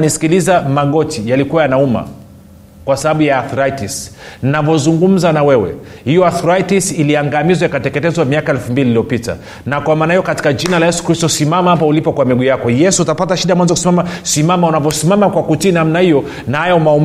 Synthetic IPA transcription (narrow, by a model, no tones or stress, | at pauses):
nisi̥kilizamaɠɔtijalikuwajanauma̰ | kwasaɓaɓujaːθɔɾaitisnnavɔzuŋɡum̩zanawɛwɛ̰hijɔaθɔɾaitisiliaŋɡamizɔjakatɛkɛtɛzwamiakaɛlfumbiliːlijɔpita̰ | nakwamaːnahijɔkati̥kad͡ʒinalajɛsu̥kɾistɔsimamahap̬aulipɔkwamiɡujakɔjɛsuutapataʃiɗamwanzɔkusimamasimamaunavɔsimamakwakutiːnamnahijɔ | nahajaumau